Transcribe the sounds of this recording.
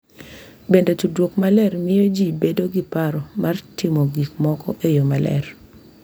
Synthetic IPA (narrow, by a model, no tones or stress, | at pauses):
bendetudwokmalɛrmɪjod͡ʒibedoɡipaɾɔmʔartimoɡikmɔkɔ̰ʔejomalɛ̰r